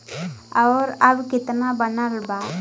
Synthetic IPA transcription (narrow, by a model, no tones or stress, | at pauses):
aɾabkit̪nabənalba